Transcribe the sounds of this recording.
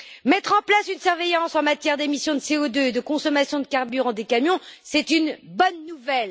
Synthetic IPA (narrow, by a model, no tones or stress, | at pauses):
mɛt̪χɑ̃plasynsyʁvejɑ̃sɑ̃mat̪jɛʁd̪emisjɔ̃d̪əseod̪øed̪əkɔ̃sɔmasjɔ̃d̪əkaʁbyʁɑ̃d̪ekamjɔ̃sɛt̪ynbɔnːuvɛl